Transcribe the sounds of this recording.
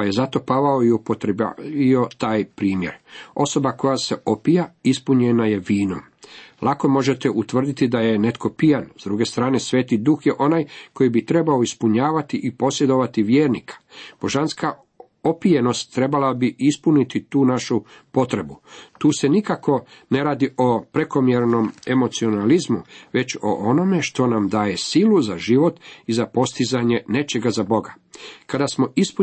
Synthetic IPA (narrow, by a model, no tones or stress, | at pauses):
paje̞zat̪o̞paʋaoiupot̪ɾ̰iot̪aːjpɾiːmje̞̰ɾo̞so̞bako̞jase̞o̞pijaispuɲenaje̞ʋiːno̰m | lˠako̞mo̞ʒe̞t̪e̞ʔut̪ʋr̩d̪it̪id̪aje̞ne̞t̪kʰo̞pijanzd̪ɾuɡe̞st̪ɾaːne̞sʋe̞ːt̪id̪uxjeʔo̞najko̞jibit̪ɾe̞bao̞ispuɲaːʋat̪iʔipo̞sjed̪o̞ʋat̪iʋjeːɾnikʰḁb̥o̞ʒanska | o̞pije̞no̞st̪ːɾe̞balabiispunit̪it̪uːnaʃupo̞t̪ɾe̞but̪uːse̞nikako̞ne̞ɾaːd̪io̞pɾe̞ko̞mjeɾno̞me̞mo̞t̪sio̞nalizmuʋe̞t͡ɕo̞̰ʔono̞me̞ʃt̪o̞namd̪aːje̞siluzaʒiʋo̞t̪izapo̞st̪izaɲe̞ne̞t͡ʃe̞ɡazabo̞ɡa | kad̪asmo̞ʔispu